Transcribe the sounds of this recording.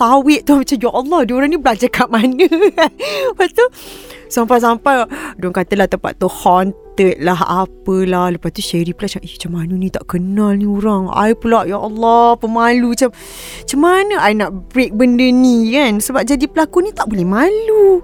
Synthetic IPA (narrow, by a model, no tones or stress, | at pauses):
sawɪʔt̪uhmat͡ʃamjaʔɔlːɔhduuɾaŋnibəlad͡ʒakʰaʔmanəkanəpast̪u | sampajs̬ampajduaŋkat̪əlaht̪əmpa̰ʔ̪t̪ːuhɔnt̪ət̪̚laɦa̰pəlahləpast̪uʃeɾipəlat͡ʃaŋʔit͡ʃamanunĩt̪a̰ʔkənalnĩuɾaŋa̰jpulaʔjaʔɔlːɔpəmalut͡ʃam | t͡ʃamanəʔajnaʔbɾek̚bəndənikansəbap̚d͡ʒadipəlakunĩt̪aʔbolɛhmalu